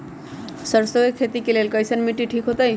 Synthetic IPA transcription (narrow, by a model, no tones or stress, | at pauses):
səɾsoekʰet̪ikelelkajsanmiʈːiʈʰikɦot̪aj